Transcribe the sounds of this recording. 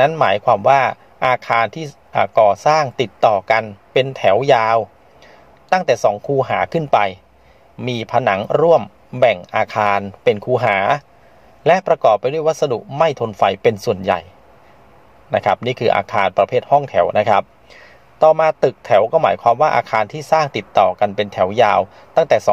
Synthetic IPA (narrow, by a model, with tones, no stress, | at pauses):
na˦˥nmaː˩˦jkʰwaː˧mwaː˥˩ | ʔaː˧kʰaː˧nt̪ʰiː˥˩ | ʔaː˨˩kɔː˨˩saː˥˩ŋt̪i˨˩t̪ːɔː˨˩ka˧npe˧nt̪ʰɛ˩˦wjaː˧w | t̪a˥˩ŋt̪ɛː˨˩sɔː˩˦ŋkʰuː˧˩ɦaː˩˦kʰɯ˥˩npa˧j | miː˧pʰa˧na˩˦ŋɾu˥˩əm | bɛ˨˩ŋʔaː˧kʰaː˧npe˧nkʰuː˧ɦaː˩˦ | lɛ˦˥ʔpɾa˧kɔː˨˩pːjdu˥˩əjwa˦˥t̪̚sa˧dṵ˨˩ʔma˥˩jt̪ʰo˧nfa˧jpe˧nsu˨˩ənja̰˨˩j | na˦˥kʰɾa˦˥p̚niː˥˩kʰɯː˧ʔa̰ː˧kʰaː˧npɾa˧pʰeː˥˩t̪̚hɔ˥˩ŋt̪ʰɛ˩˦wna˦˥kʰɾa˦˥p̚ | t̪ɔː˨˩maː˧t̪ɯ˨˩k̚t̪ʰɛ˩˦wkɔː˥˩ma̰ː˩˦jkʰwaː˧mwaː˥˩ʔaː˧kʰaː˧nt̪ʰiː˥˩saː˥˩ŋt̪i˨˩t̪ːɔː˨˩ka˧npe˧nt̪ʰɛ˩˦wjaː˧w | t̪a˥˩ŋt̪ɛː˨˩sɔ˨˩˦